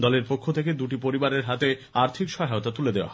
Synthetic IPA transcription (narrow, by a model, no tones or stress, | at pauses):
d̪ɔleɾpokʰːot̪ʰeked̪uʈipoɾibaɾeɾɦat̪eaɾt̪ʰikʃɔɦaot̪at̪uled̪eoa̰